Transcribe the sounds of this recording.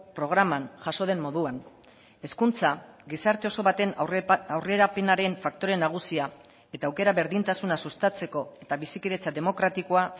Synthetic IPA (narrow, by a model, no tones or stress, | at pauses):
pɾo̞ɣ̞ɾamanʝaso̞ð̞e̞mːo̞ðuan | e̞skunt͡saɡisaɾt̪e̞o̞so̞βat̪e̞nawre̞ɾape̞naɾe̞ɱfakt̪o̞ɾe̞naɣ̞usia | e̞t̪aːwke̞ɾaβe̞ɾðint̪asunasust̪at͡se̞ko̞e̞t̪aβisikiðe̞t͡sad̪e̞mo̞kɾat̪ikoa